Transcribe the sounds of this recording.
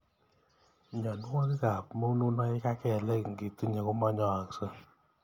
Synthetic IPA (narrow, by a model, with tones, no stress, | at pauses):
ɲɔ˨n˦wo˦tka˨pmo˦nu˦nɔ˦ɪ˦ka˦kɛ˨lɛ˦kŋɡe˨ti˦ɲa˨ku˦mɔ˦ɲɔ˨a˨kso˦